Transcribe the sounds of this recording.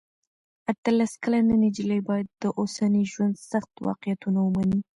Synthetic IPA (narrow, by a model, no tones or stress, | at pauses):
at̪əlaskalananed͡ʒilejbɑjad̪ːəʔosaniʒwand̪saxt̪wɑ̰qɪjat̪unawəmani